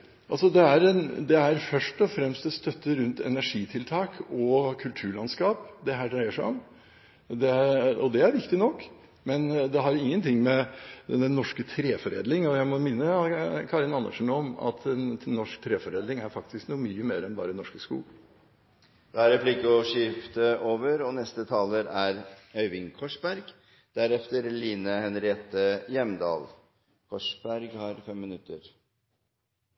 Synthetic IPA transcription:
ʔɑlsɔd̪ɛæɾɛnd̪ɛæɾfœʂʈɔfɾɛmst̪d̪ɛst̪œt̪ːəɾʉnt̪ɛ̰næʂiːt̪ʰɪlt̪ʰɑːkʰɔkʰʉlt̪ʰʉːɭɑnskɑːpd̪ɛɦæːɖɾæɪəʂæɪɔm | d̪ɛæɔd̪ɛæɾʋɪkt̪ɪnɔkː | mɛnd̪ɛɦɑɾɪŋːənt̪ʰɪŋːmɛd̪ɛnːɔʂkət̪ʰɾeːfɔɾḛːd̪lɪŋɔjæɪmɔmɪnːəkʰɑɾɪnɑnːə̰ʂɳ̩ɔmɑ̰t̪ʰɛnːɔʂkt̪ʰɾeːfɔɾeːd̪lɪŋæɾfɑk̚t̪ʰɪsknuːmyːəmeːɾɛnbɑːɾənɔʂkəskṵːɡ̪ə | d̪̥ɛæɾɛpʰlɪkəɔʂɪft̪əʔoːʋəɾɔnɛst̪ət̪ʰɑːləɾæɾœʏʋɪŋkʰɔʂbæɾɡ | d̪̥æɾɛft̪əɾliːnəhɛnɾeːt̪əjɛmd̪ɑ̰ːl | kʰɔʂbæɾɡhɑɾfɛmːɪnʉt̪ə̰ɾ

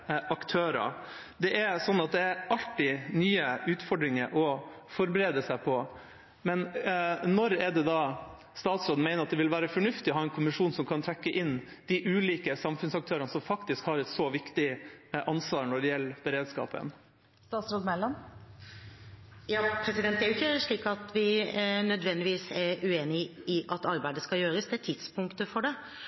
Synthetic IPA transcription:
ɑkt̪ʰøːɾɑ̰ | d̪ɛʔɛsɔnːɑt̪̚d̪ɛæɾɑlʈɪnyːəʉːt̪fɔɖɾɪŋəɾʔɔ | fɔɾbəɾeːd̪əsæɪpʰɔ | mɛnnɔɾɛɖ̪ɛd̪ɑː | st̪ɑːt̪sɾoːd̪n̩mæɪnəɾɑt̪̚d̪ɛʋɪlʋæːɾəfɔɳʉft̪ɪɔɦɑːɛnkʰʊmɪʂuːnsɔmkʰɑnt̪ʰɾɛkːəʔɪnː | d̪̥ɪʔʉːliːkəsɑmfʉnsɑk̚t̪ʰøːɾənəsɔmfɑkt̪ɪskhɑɾɛt̪sɔʋɪkt̪ɪʔɑnsʋɑːɾɳɔɖɛjɛlːb̥ɛɾeːd̪skɑ̰ːpə̰n | st̪ɑːt̪sɾoːd̪mɛlːɑn | jɑːpʰɾɛsɪd̪ɛnt̪æɾjʊɪçːəʂɭiːkɑt̪ʋɪnœd̪ʋɛnd̪ɪʋiːsɛɾʉeːnɪɪʔɑt̪ɑɾbæɪd̪əskɑjøːɾəsd̪ɛæt̪ʰɪd̪spʰʊŋkt̪əfɔɖɛ

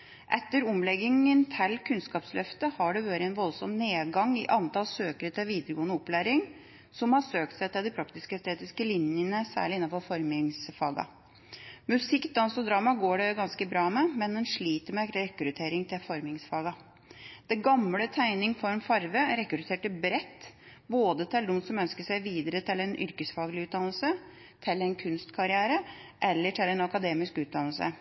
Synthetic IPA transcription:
ʔɛt̪ːəɾɔmlɛɡɪŋənt̪ʰɛlkʰʉnskɑːpslœft̪əhɑɖɛʋøːɾəɛnʋɔlsɔmneːd̪ɡɑŋːɪ̰ʔɑnt̪ɑlsøːkəɾət̪ʰɪlʋiːd̪əɾəɡoːənəɔplæːɾɪŋ | sɔmhɑsøːk̚t̪sæɪt̪ɪld̪ɪpʰɾɑkt̪ɪskəɛst̪ʰeːt̪ɪskəlɪnjənəsæ̰ːɭɪɪnːɑnfɔɾfɔɾmɪŋsfɑːɡɑ̰ | mʉsɪkd̪ɑnsɔd̪ɾɑːmɑɡoːɖɛɡɑnskəbɾɑːmɛmɛnd̪ɛnʂɭiːt̪əɾmɛɾɛkːɾʉt̪ʰeːɾɪŋt̪ʰɪlfɔɾmɪŋsfɑːɡɑ | d̪̥ɛɡɑmlət̪ʰæɪnɪŋfɔɾmfɑɾʋəɾɛkɾʉt̪ʰeːʈəbɾɛt̪ːboːd̪ət̪ʰɛld̪unsɔmœnskəʂæɪʋiːd̪əɾət̪ʰɪlɛnʔʏ̰ɾkəsfɑːɡlɪʉːt̪̚d̪ɑnəlsə | t̪ʰɪlːɛnkʰʉnst̪kʰɑɾɪæːɾəʔɛlːəʈʰɪlɛnɑkɑd̪eːmɪskʉːd̪ɑnəl̩sə̰

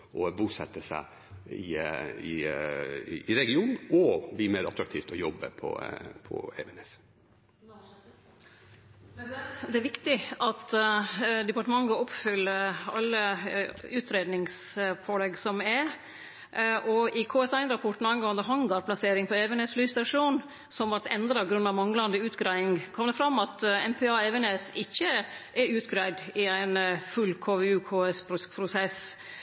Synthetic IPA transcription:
ʔɔbuːsɛt̪ːəsæ̰ɪ | ɪ̰ɪ | ɾɛɡɪuːnn̩ɔbiːmeːɾɑ̰t̪ʰɾɑkt̪ʰiːft̪ɔjɔbə̰pʰɔ̰pʰɔ̰ḛːʋɛnɛs | d̪ɛæɾʋɪkt̪ɪʔɑt̪ | d̪ɛpɑʈəmɑŋːɡɑɔpfʏlːəɑlːə | ʉːt̪ʰɾeːd̪nɪŋsfʰoːlɛɡsɔmɛɾ | ʔɔɪkʰoːɛsæɪnɾɑpʰɔʈːn̩ɑɪnɡoənd̪əɦɑŋɡɑɾpʰlɑseːɾɪŋpʰɔɛʋɛneːsflyːst̪ɑʂuːn | sɔmʋɑʈ̪ɛnd̪ɾɑɡɾʉnːɑʋmɑŋlɑnd̪əʉːt̪ɡɾæɪɪŋkʰɔmd̪əfɾɑmːɑt̪ɛmpʰɛɑːɛʋɛneːsɪçːəʔɛɾʉːt̪ɡɾæɪd̪ɪæɪnfʉlːkʰoːʋɛʉːkʰoːɛsppʰɾʊsɛs

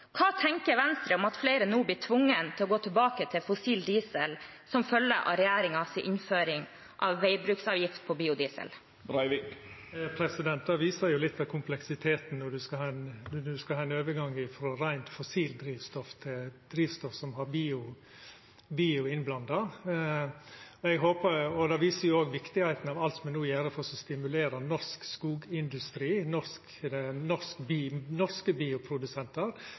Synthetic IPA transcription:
kʰɑːt̪ʰɛŋkəɾʋɛnst̪ɾəɔmɑt̪fleːɾənuːbliːʈʰʋʊŋːənt̪ʰɪlɔɡoːt̪ʰɪlbɑːkət̪ʰɪlfʊsiːld̪iːsəl | sɔmfœlːəʔɑ̰ɾɛjæːɾɪŋɑsɪʔɪnføːɾɪŋ | ʔɑ̰ʋːæɪbɾʉːksɑːʋjɪft̪̚pʰɔbiːʊd̪iːsə̰l | ɾɑɪʋɪk | pʰɾɛsɪd̪ɛnt̪̚d̪ɑʋiːsɑɾjʊlɪt̪ːʋɑkʰʊmplɛksɪt̪ʰeːt̪n̩nɔɖʉskɑhɑːɛnd̪ʉskɑhɑːɛnøːʋəɾɡɑŋːɪfɾɔɾæɪnt̪fɔsiːld̪ɾiːʋst̪ɔft̪ʰɪld̪ɾiːʋst̪ɔfsɔmɦɑɾbiːʊ | biːʊɪnblɑnd̪ɑ | ɔɛɡɦoːpəɾɔd̪ɑːʋiːsəɾjʊoːɡʋɪkt̪ɪhæɪt̪n̩ɑʋɑlt̪smɛnuːjæːɾəfɔɾsɔst̪ɪmʉleːɾənɔʂkskuːɡɪnd̪ʉst̪ɾiːnɔsk | nɔskbinɔɾskəbiːʊpʰɾʊd̪ʉsɛnt̪əɾ

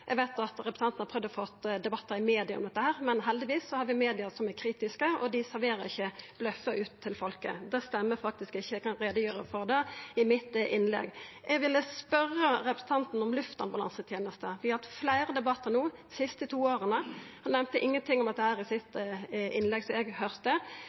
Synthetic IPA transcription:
ʔɛɡʋæɪt̪ɑt̪ɾɛpɾəsʰɑnn̩ɑɾpʰʁœʋd̪ɔfɔt̪ːd̪ɛbɑt̪ːəɾɪmeːd̪ɪɑɔ̰md̪ɛt̪ːəhæːɾmɛnɦɛld̪ɪʋiːsːɔhɑɾʋɪmeːd̪ɪəsɔmækʰɾiːt̪ɪskəɔd̪ɪsæɾʋeːɾəɾɪçːəb̥lœfəʔʉːt̪ʰːɪlfɔlkə̰d̪ɛst̪ɛmːəɾfɑk̚t̪ɪskɪçːəɛkɑnɾeːd̪əjøːɾəfɔɾd̪ɛɪmɪt̪ʔɪnlɛ̰ɡʔɛɡʋɪlːəspœrːəɾɛpɾəsn̩t̪ʰɑnt̪n̩ɔmlʉft̪ɑ̰nbɑlɑ̰nsət̪ʰjeːnəst̪əʋɪhɑt̪flæɪɾəd̪ɛbɑt̪ːəɾnuːsɪst̪ət̪ʰuːoːɾənəhɑnɛmt̪əʔɪŋːənt̪ʰɪŋːɔmɑt̪̚d̪ɛhæːɾɪsɪt̪ʔɪnlɛɡsɔɛɡhœɾt̪ə

